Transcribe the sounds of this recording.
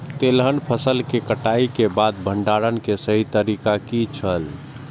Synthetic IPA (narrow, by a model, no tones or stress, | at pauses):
t̪elɦənpʰəsəlkekəʈaikebad̪̚bʱəɳɖaɾənkesəɦit̪əɾikakit͡ʃʰəl